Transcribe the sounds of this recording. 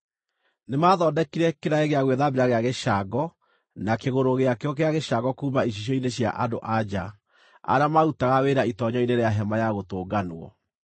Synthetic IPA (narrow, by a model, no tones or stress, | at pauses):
nemaːðɔdɛkiɾɛkeɾaeɣeaɣweðabeɾaɣeaɣeʃaɡɔ | nakeɣoɾoɣeakeɔkeaɣeʃaɡɔkuːmaiɕ̬iɕ̬ɔineɕja̰ʔadoʔad͡ʑa | a̰ɾeamautaɣaweɾaitɔɲɔineɾeaɦɛmajaɣotoːɡanoɔ̰